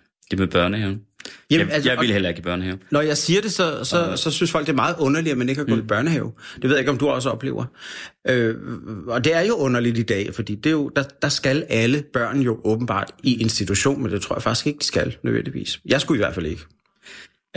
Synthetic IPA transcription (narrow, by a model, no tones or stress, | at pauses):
d̥emeb̥ɶɐnəheːʊnjæælsɪilhel̰ɐeɡ̥ib̥ɶɐ̰nəhɛʊnɒjɑ̈ɪsiːɐd̥e̝sɒ̽sɒ̽sɒ̽synsfɒ̽l̰ɡ̥d̥e̝ɐmɑ̈ːð̞̩ˠɔ̽nɐliɐmene̝ɡ̥hɡ̥̰ːb̥ɶɐnəhɛːʊd̥eʋe̝ðˠjae̝ɡɒ̽md̥uɒ̽s̬əɒ̽b̥le̝̰ːʊɐʔø | ɒ̽d̥e̝æɐjo̝ʔɔ̽nɐlidid̥ɛ̰ːfɒ̽d̥ḭːd̥e̝jo̝d̥ɑ̈d̥ɑ̈sɡ̥ælæləb̥ɶɐ̰njo̝ʔɔ̽ːb̥n̩b̥ɑ̰̈ːd̥iʔe̝nsd̥it͡sʰuɕo̝̰ːnmend̥e̝t͡sʰʁo̰ɐjfɑ̈ɡ̥i̥sɡ̥eɡ̥̚d̥i̥sɡ̥ælnøðˠḛn̰d̥iʋḭːsjɑ̈ɪsɡ̥uiʋæɐ̰̥fæl̰e̝ɡ̥ə